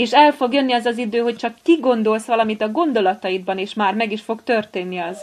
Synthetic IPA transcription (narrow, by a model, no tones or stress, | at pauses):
eːʃɛlfo̞ɡjønːiɒzɒzid̪øːɦo̞c̚t͡ʃɒkːiɡo̞nd̪o̞lsʋɒlɒmit̪ɒɡo̞nd̪o̞lɒt̪ɒjid̪̚bɒneːʃmaːrmɛɡiʃfo̞ɡt̪ø̞rt̪eːnːiɒz